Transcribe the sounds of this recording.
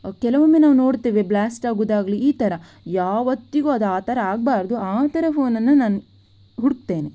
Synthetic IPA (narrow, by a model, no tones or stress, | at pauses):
kɛlɐʋɐmːeːnaːʋno̞ːɽt̪iːʋeblaːsʈaːɡuːd̪aːɡliiːt̪ɐɾɐ | jaːʋɐt̪ːiɡoɐd̪aːt̪ɐɾɐaːɡ̚baːɾɐd̪uaːt̪ɐɾepʰo̞ːnɐnːunaːnu | ɦuɽk̚t̪e̞ːne